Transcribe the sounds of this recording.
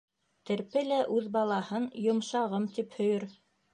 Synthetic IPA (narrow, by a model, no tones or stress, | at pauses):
t̪ɘ̆ɾpɘlæʔʉðbɑlˠɑhɤnjŏmʃɑʁɤmt̪iphɵ̆jɵɾ